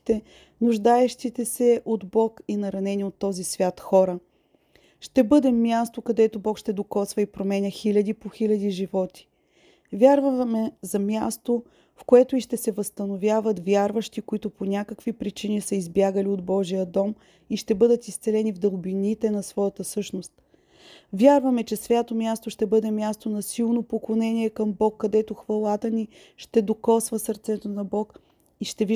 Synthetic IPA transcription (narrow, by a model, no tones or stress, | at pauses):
t̪ɛ | nʊʒd̪aɛʃt̪it̪ɛsɛʔod̪bɔkinɐɾɐnɛniot̪ːɔzisvʲjat̪xɔɾə | ʃt̪ɛbɤd̪ɛmːjast̪okɐd̪ɛt̪obɔkʃt̪ɛd̪okɔt̪svɐipɾomɛnʲəxilʲɐd̪ipoxilʲɐd̪iʒivɔt̪i̥ | vʲjaɾvɐmɛzɐmʲjast̪o | fkoɛt̪oiʃt̪ɛsɛvəst̪ɐnovʲjavət̪vʲjaɾvəʃt̪ikoit̪ʊponʲakəkvipɾit͡ʃinisɐizbjaɡəliod̪̚bɔʒijəd̪ɔm | iʃt̪ɛbɤd̪ət̪ist̪sɛlɛnivd̪əlˠbinit̪ɛnɐsvɔjət̪əsɤʃnost̪ | vʲjaɾvɐmɛt͡ʃɛsvʲjat̪omʲjast̪oʃt̪ɛbɤd̪ɛmʲjast̪onɐsilˠnopoklˠonɛnʲiɛkɐmbɔkːɐd̪ɛt̪oxvɐlˠat̪əni | ʃt̪ɛd̪okɔsvəsɐɾt̪sɛt̪onɐbɔk | iʃt̪ɛv